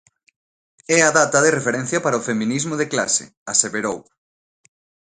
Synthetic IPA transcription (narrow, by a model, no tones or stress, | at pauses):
ɛaðat̪ɐðerefeɾɛ̃n̟θjɐpaɾaofemĩnizmʊðekla̰sḛ | aseβeɾow